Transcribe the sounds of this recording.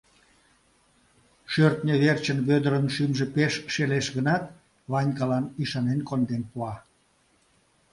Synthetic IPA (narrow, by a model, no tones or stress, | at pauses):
ʃørt̪nʲəβert͡ɕənβød̪əɾənʃymʒepeʃːeleʃɣənɑt̪̚ | βɑnʲkɑlɑniʃɑnenkond̪enpuɑ